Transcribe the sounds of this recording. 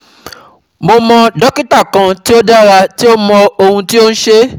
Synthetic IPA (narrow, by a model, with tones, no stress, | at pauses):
mo˧mɔ̃˧dɔ˦ki˦ta˦˨kã˨ti˦o˦da˦ɾa˧ti˦o˦mɔ̃˧o˧hũ˧ti˦o˦ñ̩˦ʃe˦